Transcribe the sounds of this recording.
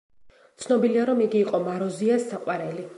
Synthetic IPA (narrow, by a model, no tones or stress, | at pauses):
t̪sʰnɔbiliaɾɔmiɡiːqʼɔmaɾɔziasːaqʼwaɾɛli